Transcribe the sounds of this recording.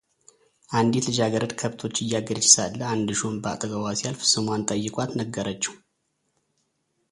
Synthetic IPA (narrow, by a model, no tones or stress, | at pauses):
ʔand̪it̪lɨd͡ʒaɡəɾəd̪kʰəβt̪ʰo̞t͡ʃːɨjːaɡəɾt͡ʃːɪ̥salːəand̪ɨʃumba̰t̪ʼəɡəwasjalfɨsɨmwant̪ʼəjːɪkʼat̪nəɡːəɾət͡ʃːɛw